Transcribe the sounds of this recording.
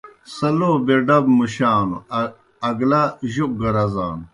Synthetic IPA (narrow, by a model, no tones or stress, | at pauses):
sɐloːbeɖɐbmuɕaːnṵː | ɡlaʑuk̚ɡɐɾɐzaːnu